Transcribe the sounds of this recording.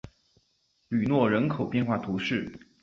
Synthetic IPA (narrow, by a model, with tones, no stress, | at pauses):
ly˨˩nwɔ˥˩ɻə˧˥nkʰo˨˩ʊpjɛ˥˧nxwa˥˩t̪ʰu˧˥ʂɻ̩˥˩